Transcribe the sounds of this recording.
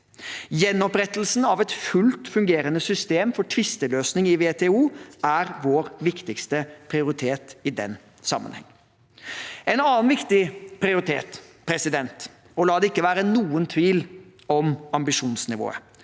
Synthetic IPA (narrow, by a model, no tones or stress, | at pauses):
jɛnːɔpɾɛt̪əlsn̩ɑʋɛt̪fʉlt̪fʉŋɡeːɾənəsʏst̪eːmfɔʈʰʋɪst̪əløːsnɪŋɪʋeːt̪ʰeːuːæɾʋoːɾʋɪkt̪ɪkst̪əpʰɾɪʊɾɪt̪ʰeːt̪ɪd̪ɛ̰n | sɑ̰mːə̰nhɛ̰ŋː | ɛnɑːnʋɪkt̪ɪpʰɾɪʊɾɪt̪ʰḛːt̪pʰɾɛsɪd̪ɛnt̪ | ɔlɑːd̪ɛɪkːəʋæːɾənuːənt̪ʰʋiːl | ɔmɑmbɪʂuːnsnɪʋo̰ːə̰